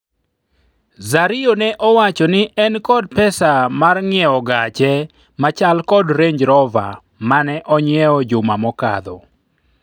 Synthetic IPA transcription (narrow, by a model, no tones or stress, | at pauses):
zaɾɪonɛʔɔwat͡ʃɔnɪʔɛnkɔd̚pɛsamarŋɪɛɔɡat͡ʃɛ | mat͡ʃalkɔdɾeɲd͡ʒɾɔva̰ | manɛʔɔɲɪɛɔd͡ʒʊmamɔka̰d̪ɔ̰